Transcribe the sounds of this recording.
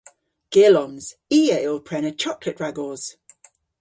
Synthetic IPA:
ɡ̥ɪəlɔ̃mz̥iːəɪlˠpʰɹ̥ɛnət͡ʃʰɒklɪʔɹaɡɔːz̥

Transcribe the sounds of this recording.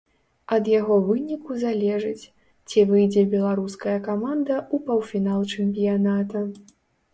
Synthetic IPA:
ɐd̪jaɣɔvɨnʲikuzalʲɛʐɨt͡sʲ | t͡sʲivɨjd͡zʲɛbʲɛlˠaɾuskɐjɐkamand̪ɐupɐwfʲinalˠt͡ʂɛmʲp̬ʲijanat̪ɐ

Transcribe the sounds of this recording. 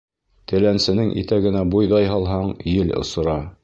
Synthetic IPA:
t̪ɘ̆lænsɘ̆nɘŋʔḭt̪æɡɘ̆næbujðɑjɦɑlˠɦɑɴjɘlŏ̰sŏɾɑ

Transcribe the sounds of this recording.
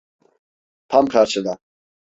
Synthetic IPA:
pʰamkʰaɾt͡ʃʰɛd̪a

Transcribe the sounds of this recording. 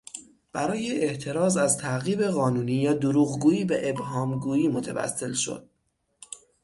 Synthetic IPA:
b̥æɾɒːjeeʔt̪ʰe̞ɾɒːzæzt̪ʰæɣiːbe̞ɣɒːnuːniːjɒːd̪oɾuːɣɡuːiːbeʔebhɒːmɡuːjiːmot̪ʰḛvæ̰sːe̞lʃo̞̰d̪̥̚

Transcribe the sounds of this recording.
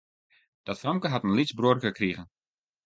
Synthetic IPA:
d̥ɔtfɔŋkəɦatənlit͡sbruərkəkriɣən

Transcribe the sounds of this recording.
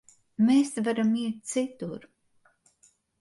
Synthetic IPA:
meːsvaɾamiɛt̪̚t̪sit̪uɾ

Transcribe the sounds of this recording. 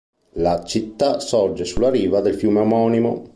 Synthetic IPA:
lat͡ʃit̪ːasɔrd͡ʒesulːaɾiːvad̪elfjuːmeamɔːnimo̰

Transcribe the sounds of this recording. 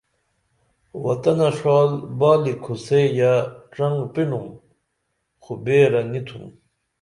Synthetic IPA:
wɐt̪ɐnɐʂaːlbaːlikʰusejaʈ͡ʂɐŋɡpiɳum | xubeːɾɐnit̪ʰṵm

